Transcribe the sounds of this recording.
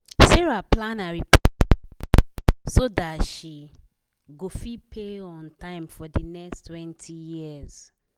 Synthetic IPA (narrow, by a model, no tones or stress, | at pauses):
sɛɹaplãnaɹi | sodatʃi | ɡofipʰeɔ̃ntãɪ̃mfɔdinɛkstʰwɛ̃ntʰijiɛz̥